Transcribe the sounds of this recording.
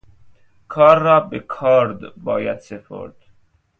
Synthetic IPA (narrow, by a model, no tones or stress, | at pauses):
kʰɑːɾːɑːbekʰɑːɾd̪bɒːjæd̪sepʰo̰ɾd̪̥